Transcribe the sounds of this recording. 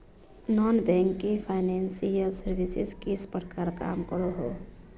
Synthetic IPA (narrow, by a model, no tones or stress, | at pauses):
nɔːnbɛ̃ːŋkːipʰaːɪnɛ̃ːnsijəlsəɾʋɪsɪskɪspəɾkaɾka̰ːmkəɽoɦo̰ː